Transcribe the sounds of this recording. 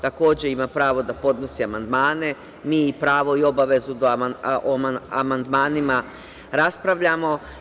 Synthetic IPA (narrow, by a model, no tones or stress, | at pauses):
t̪ako̞ːd͡ʑe̞imapɾaːʋo̞d̪apo̞d̪no̞siamand̪maːne̞ | miːipɾaːʋo̞io̞baʋe̞zud̪oomaamand̪maːnima | ɾaspɾaʋʎamo̞